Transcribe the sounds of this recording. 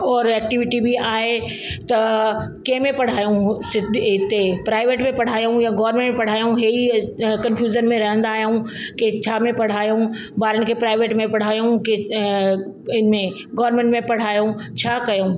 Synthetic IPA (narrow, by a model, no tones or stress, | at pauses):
ɔːɾɛːk̚ʈɪʋɪʈibʱiaːɦe | t̪ɐkẽɦmẽpɐɽ̤aːjõsɪd̪ʱɪt̪epɾaːɪʋeːʈmẽpɐɽ̤aːjõjaɡɔːɾmẽɳʈmẽpɐɽ̤aːjõɦeikɐnfʰjuːd͡ʒənmẽɾɐɦə̃nd̪aːɦjaũket͡ɕʰaːmẽpɐɽ̤aːjõ | baːɾənɪ̆kʰepɾaːɪʋeːʈmẽpɐɽ̤aːjõke | ɪnmẽ | ɡɔːɾmẽɳʈmẽpɐɽ̤aːjõt͡ɕʰaːkɐjõː